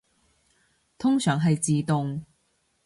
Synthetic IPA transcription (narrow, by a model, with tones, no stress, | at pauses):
t̪ʰʊ˥ŋsœː˨˥ŋɦɐ˨jt͡siː˨t̪ʊ˨ŋ